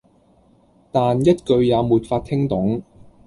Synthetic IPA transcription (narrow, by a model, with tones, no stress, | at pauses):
t̪aː˨njɐ˥t̚kɵ˧ɥjaː˨˧muː˨t̚faː˧t̪̚ʰɪ˥ŋt̪ʊ˨˥ŋ